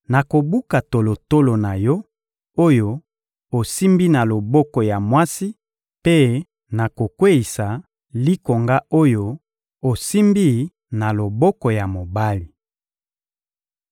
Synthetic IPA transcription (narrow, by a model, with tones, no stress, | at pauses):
na˨ko˨bu˦ka˨to˨lo˨to˦lo˨na˨jɔ˦ | o˦jo˦ | o˨si˦mbi˦na˨lo˨bɔ˦kɔ˨ja˨mwa˦si˦ | pe˦ | na˨ko˨kwe˦i˨sa˨ | li˦ko˨ŋɡa˦ʔo˦jo˦ | o˨si˦mbi˦ | na˨lo˨bɔ˦kɔ˨ja˨mo˨ba˦li˨